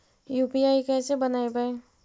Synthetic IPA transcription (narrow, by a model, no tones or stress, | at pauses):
juːpiaːikɛːsebɐnaːebae